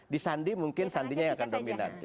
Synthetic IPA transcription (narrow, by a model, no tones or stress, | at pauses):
disandimuŋkɪnsandiɲajaŋakandomina̰n